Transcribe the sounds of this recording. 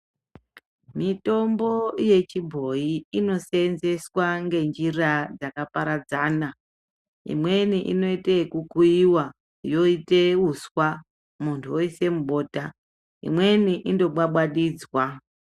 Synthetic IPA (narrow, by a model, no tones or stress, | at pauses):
mito̞mbo̞je̞t͡ʃibʱo̞iino̞senze̞swaŋɡe̞nd͡ʒirad͡zakapaɾad͡zaːna | ḭmwe̞niʔḭno̞itekukuiwa | jo̞iteuswa | muntʰuoise̞muɓo̞ːta | ḭmwe̞niʔindo̞ɓwaɓwaɗiːd͡zwa